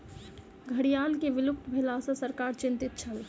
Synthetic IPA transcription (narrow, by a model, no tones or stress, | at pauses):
ɡʱɐɽijaːlkeʋɪlʊkt̪bʱelasasəɾkaːɾt͡ʃɪ̃nt̪ɪt̪̚t͡ʃʰəl